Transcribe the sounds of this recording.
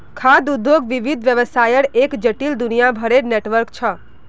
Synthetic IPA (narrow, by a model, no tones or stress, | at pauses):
kʰad̪ud̪ʱjoɡʋiʋid̪ʱʋjəʋəsajəɽekd͡ʒəʈild̪unijabʱəɾeneʈʋəɾkt͡ʃʰə